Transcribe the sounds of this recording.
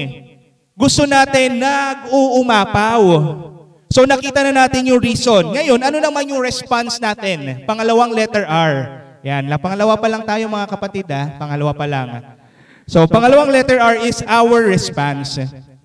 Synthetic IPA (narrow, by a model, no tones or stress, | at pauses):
ɡʊst̪onaːt̪ɪnːɐɡ̚oːʔʊmaːpaw | so̞nɐkiːt̪ɐnɐnaːt̪ɪnjʊŋɾiːso̞nŋɐjo̞nʔɐno̞nɐmanjʊŋɹɛspansnaːt̪ɛnpɐŋɐlɐwaŋlɛt̪ɛɹʔaɹ | janlɐpɐŋɐlɐwapɐlɐŋt̪aːjoŋmɐŋakɐpɐt̪ɪd̪apɐŋɐlɐwapɐlaŋ | so̞pɐŋɐlɐwaŋlɛt̪ɛɹʔaɹʔɪsʔawɛɹːɛspans